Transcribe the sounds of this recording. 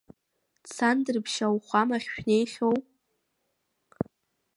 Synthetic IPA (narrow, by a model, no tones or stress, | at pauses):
t͡sʰandɨrpʰʃawχʷamaχʲʃᶣne̞jχʲow